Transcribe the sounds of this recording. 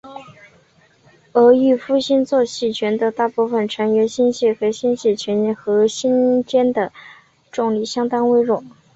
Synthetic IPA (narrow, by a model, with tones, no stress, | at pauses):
ɤ˧˥y˥˧fu˥ɕi˥nt͡swɔ˥˧ɕi˥˩t͡ɕʰɥɛ˧˥nd̪ə˧t̪a˥˧pu˥˩fə˨˩nʈ͡ʂʰɤ˧˥ŋɥɛ˧˥nɕi˥nɕɛ˥˩xe˧˥ɕi˥nɕi˥˩t͡ɕʰɥɛ˧˥n˧˥˩xɤ˧˥ɕi˥nt͡ɕjɛ˥nd̪ə˨ | ʈ͡ʂʊ˥˩ŋli˥˩ɕjɑ˥ŋt̪ɑ˥ŋwe˥ɪɻʊ˥˩˦